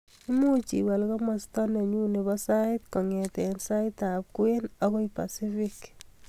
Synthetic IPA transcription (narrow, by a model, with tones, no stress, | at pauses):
i˦mu˦t͡ʃḭ˨wɛ˨lkɔ˦mɔ˨stɔ˦nɛ˨ɲu˦ne˨bɔsaɪtkɔ˨ŋɛ˨t̪ɛ˨nsa˦ɪta˨p̚kwe˦nɔ˦ɣɔ˦ipa̰si˦fik